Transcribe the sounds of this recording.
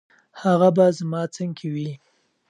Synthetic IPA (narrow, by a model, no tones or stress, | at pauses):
haɣabazmɑt͡səŋkʰewi